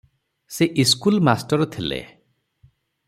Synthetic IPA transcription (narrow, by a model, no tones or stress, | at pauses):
seʔiskulmasʈɔɾɔt̪ʰilḛ